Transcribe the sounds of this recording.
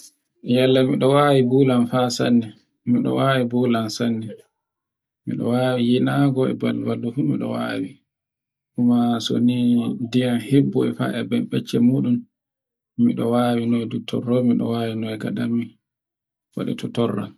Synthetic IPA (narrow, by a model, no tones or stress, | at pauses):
jalːamiɗɔwaːwibulanfasanːɛ | miɗɔ̰waːwibulansanːɛ | mḭɗɔ̰waːwijinaɡɔɛ̰balbalːufumiɗɔ̰wa̰ːwi | ʔumaso̰nidijanhebːɔɛfa̰ʔɛbɛmɓɛt͡ʃːɛmuːɗum | miɗɔwaːwinɔɛdutʰɔ̰rːɔmiɗɔwaːwinɔɛɡaɗamːi | wa̰ɗɛ̰tʰɔtɔrːa̰